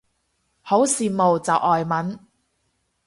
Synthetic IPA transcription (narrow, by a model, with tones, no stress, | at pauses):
ho˨˥wsiː˨˧mo˨wt͡sɐ˨wʔɔː˨jmɐ˨˥n